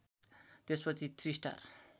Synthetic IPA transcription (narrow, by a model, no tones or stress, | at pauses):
t̪espʌt͡sʰit̪ʰrisʈa̰r